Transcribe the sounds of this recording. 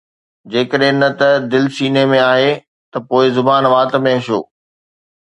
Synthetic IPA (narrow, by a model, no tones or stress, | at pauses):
d͡ʑeːkəɗɦɪ̃nɐt̪ɐd̪ɪlɪsiːnemẽaːɦe | t̪ɐpoːɪzʊbaːnʋaːt̪̆mẽɦɐʃo̰ː